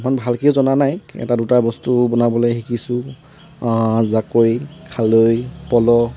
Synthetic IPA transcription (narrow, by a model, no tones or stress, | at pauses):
manbʱalkezɔnanajɛ̰tadutabɔstubɔnabɔloxikisʊ | zakojkʰalojpɔlɔ